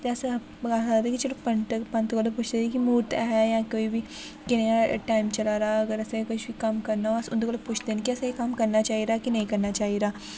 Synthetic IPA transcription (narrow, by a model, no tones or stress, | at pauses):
t̪eɐsa | ɡasaat̪ekit͡ʃelopɐnʈəpɐ̃nt̪ɡoloput͡ʃʰd̪enekimuːʈ̪aɦɛjãkoːibʱi | kɪnjaʈaːimt͡ʃɐlaːɾaːɐɡəɾɐsakʊt͡ʃʰbikɐmkɐɾnaoɐsʊ̰nd̪oɡəloput͡ʃʰd̪enkiɐsajikɐmkɐɾnat͡ʃaːɦiɾaːkinɐĩkɐɾnat͡ʃaːɦiɾaː